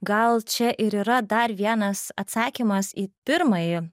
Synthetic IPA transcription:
ɡɐlˠt͡ʃʲɛʔɪɾiːɾɐd̪ɐɾʋʲiɛnɐsɐt̪sɑːkʲimɐsipʲɪɾmɐjɪ

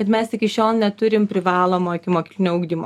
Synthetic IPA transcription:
kʲɛt̪mʲɛsʲɪkʲɪʃʲoːlˠnʲɛt̪ʊɾʲɪmpʲɾʲɪʋɑːlˠoːmoːɪkʲɪmoːkʲiːklʲɪnʲoːʊɡd̪ʲiːmo̰ː

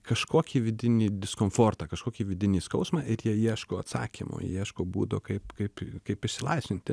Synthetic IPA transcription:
kɐʃkoːkʲiːʋʲɪd̪ʲɪnʲiːd̪ʲɪskoːmfoːrt̪ɐkɐʃkoːkʲiːʋʲɪd̪ʲɪnʲiːskɐʊsmɐʔɪɾjiɛiɛʃkoːɐt̪sɑ̰ːkʲḭmo̰j̰iɛʃkoːbṵːd̪okɐɪpkɐɪpkɐɪpɪʃʲsʲɪlˠɐɪsʲʋʲɪnʲt̪ʲɪ

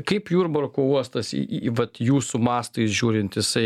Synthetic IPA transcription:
kɐɪpjuːɾbɐrkoːuɔst̪ɐsʋɐt̪juːsʊmɑːst̪ɐɪsʒʲuːɾʲɪnt̪jɪsɐɪ

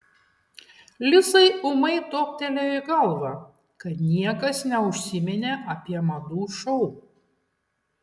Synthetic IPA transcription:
lʲɪsɐɪʊmɐɪt̪oːk̚ʲt̪ʲɛlʲoːɪɡɐlˠʋɐ | kɐt̪nʲiɛkɐsnʲɛʊʃʲsʲɪmʲɛnʲeʔɐpʲiɛmɐd̪uːʃɔʊɾuː

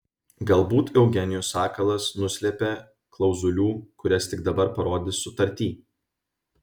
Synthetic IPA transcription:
ɡɐlˠbuːt̪jɛʊɡʲɛnʲɪjuːsɑːkɐlˠɐsnʊsʲlʲɛpʲeː | klˠɒʊzʊlʲuːkʊɾʲɛst̪ʲɪɡd̪ɐbɐɾpɐɾoːd̪ʲɪsʊt̪ɐɾʲt̪ʲiː

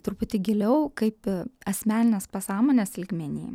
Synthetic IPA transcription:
t̪ɾʊpʊt̪ʲɪɡʲɪlʲɛʊkɐɪpɐsʲmʲæːnʲɪnʲespɐsɑːmoːnʲesɪlʲɡmʲɛnʲḭː

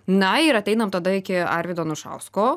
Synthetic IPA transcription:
nɐɪɾɐt̪ʲɛɪnɐmt̪ɐd̪ɐɪkʲɪɑ̰ɾʲʋʲɪd̪oːnʊʃɐ̰ʊskoː

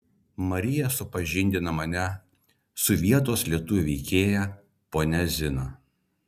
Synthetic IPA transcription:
mɐɾʲɪjɛsʊpɐʒʲɪnʲd̪ʲɪnɐmɐnʲɛ | sʊʋʲiɛt̪oːslʲiɛt̪ʊʋʲʊʋʲɛɪkʲeːjæ | poːnʲɛzʲɪno

